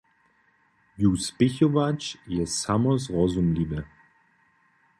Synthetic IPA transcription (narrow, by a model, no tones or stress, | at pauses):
juspɪçɔvat͡ʃjɛsamɔzʁɔzumliːbə